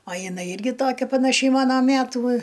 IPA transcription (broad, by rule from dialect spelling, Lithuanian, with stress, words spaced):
ɐ jɪˈnɐɪ ˈɪrʲɡʲɪ ˈtoːkʲɛ pɐnɐˈʃʲɛɪ ˈmɑːnɐ ˈmʲætuː